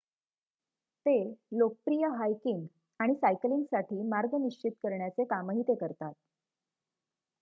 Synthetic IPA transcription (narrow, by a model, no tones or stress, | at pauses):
t̪elok̚pɾijəɦajkiŋɡ | aɽ̃isajkliŋɡsaʈʰiːmaɾɡəniɕt͡ɕit̪kəɾɳjat͡sekaməɦit̪ekəɾt̪at̪̚